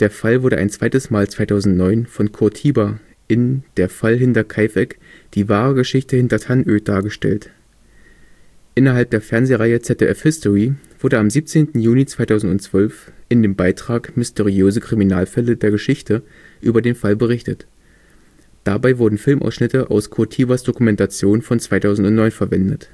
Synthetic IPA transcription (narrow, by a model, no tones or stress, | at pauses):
d̥eːɐfalvʊɐdə̰ʔa̰ɪnt͡sv̥aɪtəsmaːlt͡sv̥aɪtʰaʊzn̩tnɔʏnfɔnkʰʊɐtʰiːba | ʔɪnd̥eːɐfalɦɪntɐkʰaɪfɛkd̥iːvaːʁəɡəʃɪçtəhɪntɐtʰanʔøːd̥aːɐɡəʃtɛ̰lt | ʔɪnɐɦalp̚d̥eːɐfɛɐnzeːʁaɪət͡sɛt̚ḛʔɛfhɪstɔʁiv̥ʊɐdəamziːp̚t͡seːntn̩juːlit͡sv̥aɪtʰaʊzn̩tʊnt͡sv̥œlfʔɪndeːmbaɪtʁ̥aːkmɪsteʁiøːzəkʁ̥iminaːlfɛlədeːɐɡəʃɪçtə | ʔyːbɐdeːnfalbəʁɪçtət | d̥abaɪvʊɐdn̩fɪlmʔa̰ʊsʃnɪtəʔa̰ʊskʰotʰiːvasd̥okumɛntat͡sjoːnfɔnt͡sv̥aɪtʰaʊzn̩tʊntnɔʏnfɛɐvɛndət